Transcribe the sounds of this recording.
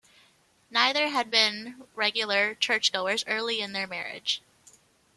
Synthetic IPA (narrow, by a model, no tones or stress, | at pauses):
naɪðə˞ɨd̚bɪ̃nɹɛɡjl̩ˠə˞t͡ʃʰɜ˞t͡ʃɡ̥oʊə˞zɜ˞lˠiɨ̃nðə˞mɛɹɪ̰d̥ʒ̥